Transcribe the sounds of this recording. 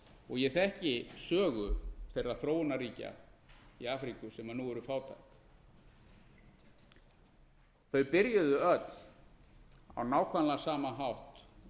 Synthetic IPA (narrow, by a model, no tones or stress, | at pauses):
ɔɣjɛθɛhcɪsœːɣʏθejrːaθɾoːwʏnariːca̰iaːfɾikʏsɛmanuːɛɾʏfaːwt̪ʰajk | θœɥpɪɾjʏðʏœt̪l̥ | a̰wnaːwkʰvanlasaːmaɦawht̪